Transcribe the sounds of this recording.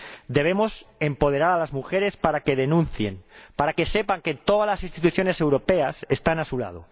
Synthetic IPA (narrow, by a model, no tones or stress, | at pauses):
d̪e̞β̞e̞mo̞se̞mpo̞ð̞e̞ɾaɾalazmuxeɾe̞spaɾake̞ðe̞nũnθje̞npaɾake̞se̞paŋke̞t̪o̞ðazlasinst̪it̪uθjo̞ne̞se̞wɾo̞pe̞asest̪anasula̰ð̞o̰